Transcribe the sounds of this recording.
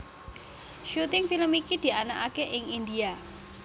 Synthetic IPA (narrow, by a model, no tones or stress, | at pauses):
ʃut̪ɪŋfiləmikid̪̥i̤anaʔakeʔɪŋind̪ia